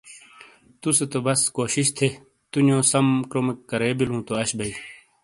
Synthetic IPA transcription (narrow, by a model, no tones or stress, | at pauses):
t̪uset̪obɐskoːɕiɕt̪ʰe | t̪unjõːsɐmkɾoːmikːɐɾeːbilũːt̪oɐɕbɐi